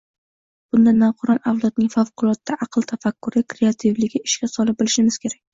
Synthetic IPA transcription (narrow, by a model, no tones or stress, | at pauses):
b̥ʊnd̪anːɒqʰɑɾɒnawlˠat̪̚nɪŋfavqʊlˠɒt̪d̪aʔɑqlˠt̪ʰafakːʊɾɪkɾe̞at̪ʰɪvlɪɡʲɪɪʃkʲasɒlɪp̚bɪlɪʃɪmɪz̥kʲʰe̞ɾakʲ